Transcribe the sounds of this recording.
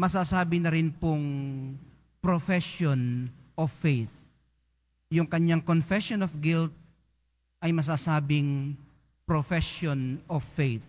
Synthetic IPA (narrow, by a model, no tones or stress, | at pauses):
mɐsasaːbɪnɐɾɪnpʊŋ | pɾofɛʃjonʔofejθ̚ | jʊŋkɐɲaŋkonfɛsjonofɡɪlt̪̚ | ʔɐjmɐs̬asaːbɪŋ | pɾofɛʃonɔfejθ̚